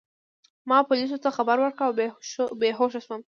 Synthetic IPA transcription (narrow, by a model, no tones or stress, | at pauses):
mɑpʊlis̬ot̪axabaɾwəɾkɽaawbeɦoʃ̬aswəm